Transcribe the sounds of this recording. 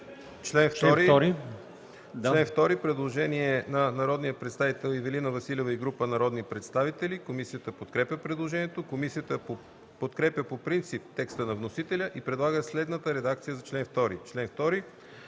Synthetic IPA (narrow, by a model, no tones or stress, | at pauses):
t͡ʃlɛnft̪ɾiɔɾi | lɛnft̪ɔɾipɾɛd̪lˠoʒɛniɛnɐnɐɾɔd̪nijəpɾɛt̪st̪avit̪ɛlˠivɛlinəvɐsilʲɛvəiɡɾupənɐɾɔd̪nipɾɛt̪st̪avit̪ɛlikomisijət̪əpot̪kɾɛpʲəpɾɛd̪lˠoʒɛnijɛt̪okomisiət̪əp | pot̪kɾɛpʲjəpopɾint̪sip̚t̪ɛkst̪ənɐvnosit̪ɛlʲəʔipɾɛd̪lˠaɡəslɛd̪nət̪əɾɛd̪akt̪sijəzɐt͡ʃlɛnft̪ɔɾḭt͡ʃlɛnft̪ɔɾi